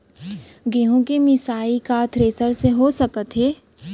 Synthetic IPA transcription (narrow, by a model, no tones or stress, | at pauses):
ɡeɦõkemɪsaːikaːt̪ʰɾeːsəɾseɦosɐkət̪ɦeː